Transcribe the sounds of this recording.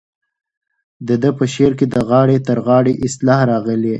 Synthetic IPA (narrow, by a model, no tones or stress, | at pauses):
d̪əd̪əpəʃeɾked̪əɣɑɽet̪əɾɣɑɽeʔɪslɑhɾɑɣəle